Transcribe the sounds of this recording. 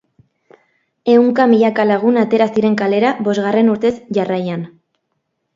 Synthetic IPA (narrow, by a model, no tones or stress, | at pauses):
e̞wŋkamiʎakalaɣ̞unat̪e̞ɾasiɾe̞ŋkale̞ɾaβo̞zɣare̞nuɾt̪e̞sʝarajan